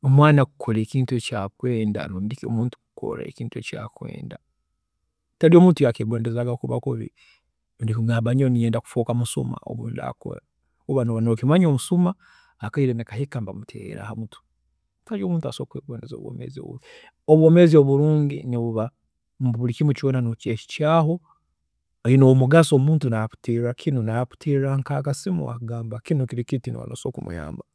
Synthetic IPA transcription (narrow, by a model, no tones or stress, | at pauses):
omwaːnakukʰoleːciːntuecakweːnda̰nuːndikio̰muːntu̥kuko̰ɾḛciːntueca̰kwe̞̰ːnda | talio̞muːntujakeɡweːndezaːɡakuβa̰koβḭ | undikiɡaːbaɲonijeːndaku̥foːkamusuma̰o̰βuːnda̰ko̰ɾa | uβanoβanokimaɲomusuma | akaiɾenekahikambamutʰḛːɾa̰hamutʰu̥ | taɾioːmuːntua̰soːkweːɡwoːnezo̰ːβwo̰mḛzio̰βṵ | oβwomezio̞βuɾuːɲɟḭniβuβa | mbuβulikimucionanoceci̥caːɦo̞ | ainomuɡasomuːntunapu̥tiɾakʰinunapu̥tʰiɾaŋkaːkasimṵa̰ɡaːmbakinukiɾikitinḭwa̰noso̰kumṵja̰ːmba